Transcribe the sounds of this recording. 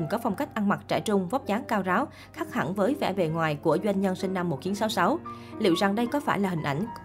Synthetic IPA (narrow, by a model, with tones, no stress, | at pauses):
ŋkɔ˨˦fa˧wŋ͡mka˦˥jk̟̚ʔa˧ŋma˨˩t̚t͡ɕa̰ː˧˩jt͡ɕʊ˧ŋ͡mvɔ˦˥p̚zaː˨˦ŋkaː˧wzaː˨˦w | xaː˦˥k̚ha̰˧˩nvəː˨˦jvɛ̰˧˩ve˨˩ŋwaː˨˩jku˧˩əzwa˧jŋ̟ɲə˧nswï˧ŋ̟na˧mːo˨˩t̚xi˨˦ənsa˨˦wsa˨˦w | lḭ˧˨əwza˨˩ŋɗə˧jkɔ˨˦faː˧˩jlaː˨˩hï˨˩ŋ̟ʔa̰˧˩jŋ̟